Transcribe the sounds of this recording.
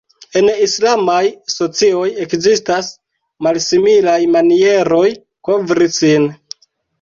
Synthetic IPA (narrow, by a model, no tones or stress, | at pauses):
e̞nislamajso̞t͡sio̞je̞kzistas | malsimilajmanie̞ɾo̞j | ko̞vɾisin